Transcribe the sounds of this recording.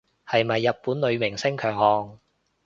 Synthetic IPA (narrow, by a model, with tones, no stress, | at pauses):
hɐ˨jmɐ˨jːɐ˨t̚puː˨˥nlɵ˨˧ɥmɪ˨˩ŋsɪ˥ŋkʰœː˨˩ŋhɔː˨ŋ